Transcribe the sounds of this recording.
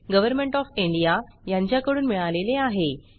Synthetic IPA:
ɡəʋəɾmeɳʈɔfiɳɖijajãɲt͡ɕjakəɽuːnmiɭaleleaɦe

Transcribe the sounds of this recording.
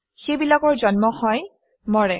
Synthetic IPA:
xejbilakɔɹzɔnmɔhɔj | mɔɹɛ

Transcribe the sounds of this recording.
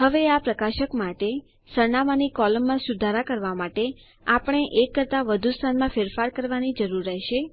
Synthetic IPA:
ɦəʋeapɾəkaʃəkmaʈe | səɾɳamanikɔləmːãsud̪ʱaɾakəɾʋamaʈe | apəɳ̃eʔekːəɾt̪aʋəd̪ʱust̪ʰanmãfeɾfaɾkəɾʋanid͡ʒəɾuɾːɛɦʃe

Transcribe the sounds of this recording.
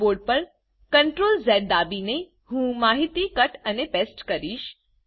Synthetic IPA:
oːɾɖ̚pɐɾ | kɐɳʈɾoːlzɛːɖ̚d̪aːbine | ɦũːmaːɦɪt̪ikɐʈənepeːsʈkɐɾiːʃ

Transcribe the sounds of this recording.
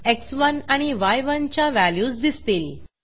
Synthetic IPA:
eksʋənaɽ̃iʋajʋənt͡ɕjaʋæljuːsd̪ist̪eːl

